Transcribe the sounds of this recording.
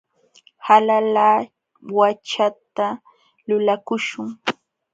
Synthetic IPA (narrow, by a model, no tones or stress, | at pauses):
halalaː | wat͡ʃat̪a | lʊlakʊʃʊŋ